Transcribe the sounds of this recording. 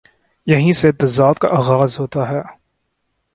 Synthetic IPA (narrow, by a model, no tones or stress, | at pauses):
jɐɦĩset̪ɐzaːt̪̚ka̰ʔaːɣaːzɦoːt̪aɦɛː